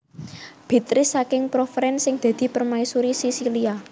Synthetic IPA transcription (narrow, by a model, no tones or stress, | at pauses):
b̥i̤t̪ɾɪsːakɪŋpɾofɾɛnsɪŋd̪̥ä̤d̪̥i̤pərmaisuɾisisilia